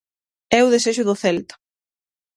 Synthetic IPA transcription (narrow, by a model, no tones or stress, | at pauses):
ɛʊðeseʃʊðʊθɛlt̪ḁ